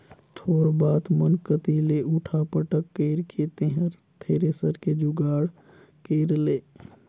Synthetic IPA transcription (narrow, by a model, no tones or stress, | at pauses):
t̪ʰoːɾbaːt̪mənkət̪ileːʔʊʈʰapəʈəkːeːɾkʰet̪ẽɦəɾ | t̪ʰeːɾesəɾked͡ʒʊɡaːɽ | keːɾleː